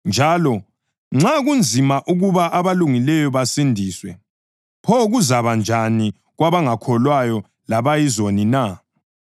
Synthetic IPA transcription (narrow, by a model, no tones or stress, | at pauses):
nd͡ʒʱaːlɔ | ŋ͡ǁaɣund͡zʱimaʔuɣuβaʔaβaluŋilɛjɔβasindʱiːswɛ | pʰɔɣuzaβand͡ʒʱani | ɣwaβaŋakʰɔlwajɔ | laβajizonina